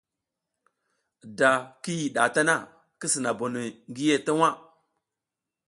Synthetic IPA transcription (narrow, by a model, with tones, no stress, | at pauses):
da˨ki˦ji˨ɗa˨ta˦na˦˨ | ki˦si˨na˨bo˨ni˨ŋɡi˦je˦ta˦wa˦˨